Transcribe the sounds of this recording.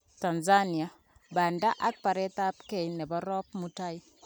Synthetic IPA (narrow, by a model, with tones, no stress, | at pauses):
ta˨nzani˨a˨ | ba˨nda˦ʔa˦k̚pa˨ɾɛ˦ta˦pke˦˨inɛ˨ba˦ɾɔ˦p̚muta˦i